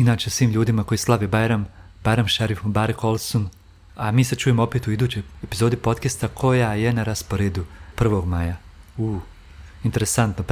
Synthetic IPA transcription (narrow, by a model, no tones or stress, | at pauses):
nat͡ʃesʋiːmʎuːd̪imako̞jislˠaʋebajɾam | bajɾamʃaɾifbaːɾekʰo̞lˠson | amiːset͡ʃuːjemoopeːt̪uid̪uːt͡ɕojepizo̞ːd̪ipo̞t̪kest̪akʰo̞jaje̞naɾaspo̞ɾeːd̪upr̩ʋo̞ɡmaːjauː | int̪e̞ɾesant̪nop